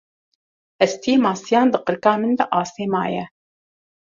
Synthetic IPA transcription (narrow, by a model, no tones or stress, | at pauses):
ʔɛst̪ʰijeːmɑːsijɑːnd̪ɨqɨɾkɑːmɨnd̪ɛʔɑːst̪eːmɑ̰ːjɛ